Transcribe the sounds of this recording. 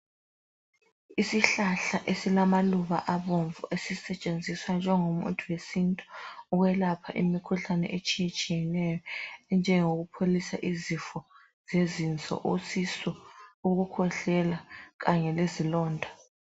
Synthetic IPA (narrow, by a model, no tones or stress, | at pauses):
isiɬaɬaʔesilamaluβaʔaβoɱvṵʔesisɛt͡ʃʼend͡zʱiswand͡ʒʱɛŋomṵntʼʰuwesintʼu̥uɣwɛlapʰaʔḭmikʰuɬanɛ̰ʔet͡ʃʼijet͡ʃʼijɛnɛjɔɛnd͡ʒʱɛŋoɣupʰolisa̰ʔizifɔ | zezint͡sʼɔ̰ʔosisɔuɣukʰɔɬɛlaɣaɲɛlezilɔːndʱa